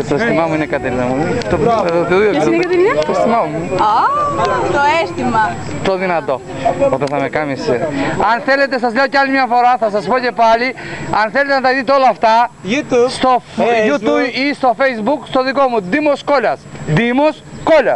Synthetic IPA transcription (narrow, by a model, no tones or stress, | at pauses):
t̪oesst̪imɐmuinekɐt̪eliɐmut̪opɾet̪iðot̪ɐt̪elɐt̪oest̪imɐmua | t̪oest̪imɐ | t̪oðinɐt̪o̞ | ot̪eθɐme̞kɐmiseɐnθe̞le̞t̪̬e̞sɐzʎeoceɐlimɲɐfo̞ɾɐθɐsɐspo̞ce̞pɐliɐnθelet̪enɐt̪ɐðit̪̬eo̞lɐːft̪ɐ | st̪ojut̪uist̪o̞fejzbukst̪o̞ðiko̞mud̪imo̞sko̞ʎɐsd̪imos | ko̞ʎɐs